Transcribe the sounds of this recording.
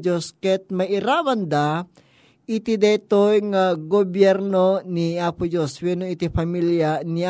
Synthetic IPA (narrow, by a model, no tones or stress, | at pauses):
d͡ʒoskɛt̪̚mɐjɪɾaːwand̪a | ʔɪt̪id̪ɛt̪ojŋaɡobjɛɾnoniapʊd͡ʒoswɛnoit̪ipamiljani